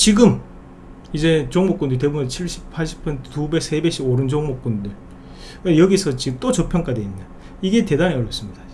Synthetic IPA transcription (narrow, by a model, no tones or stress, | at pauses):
t͡ɕiɡɯm | id͡ʑe̞t͡ɕoŋmok͈ondɯɭt̬ebumet͡ɕʰiɭɕ͈ʰi̥ppʰaɭɕʰi̥p͈ʰɯntubek̚s͈e̞be̞ɕ͈ʰiboɾɯnd͡ʑoŋmok͈ondɯɭ | kejʌɡisʰʌt͡ɕiɡɯmt͈ot͡ɕʌpʰjʌŋk͈adeinːda | iɡe̞te̞daɲeʌɾjʌps͈ɯmɲid̥a